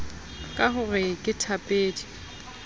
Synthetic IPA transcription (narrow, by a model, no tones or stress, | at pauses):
kʼaɦʊrɪkʼɪtʰapʼeːtʼi̥